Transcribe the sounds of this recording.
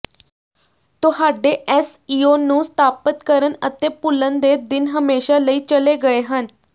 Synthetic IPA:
t̪ʊhaːɖeːʔɛːs | iːoːnũːst̪ʰaːpət̪kəɾənət̪eːpʊlənd̪eːd̪ɪnɦəmeːʃaːləiːt͡ʃəleːɡəeːɦən

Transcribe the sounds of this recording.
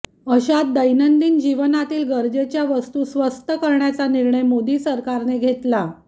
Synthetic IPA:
əɕat̪̚d̪əjnənd̪iːnd͡ʑiʋənat̪iːlɡəɾd͡zet͡ɕjaʋəst̪uːsʋəst̪əkəɾɳjat͡saniɾɳəjmod̪iːsəɾkaɾneɡʱet̪la

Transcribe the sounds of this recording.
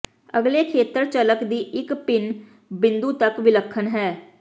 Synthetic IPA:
əɡleːkʰeːt̪əɾt͡ʃələkd̪iːʔɪkpɪn | bɪ̃nd̪uːt̪əkʋɪləkʰːənɦɛː

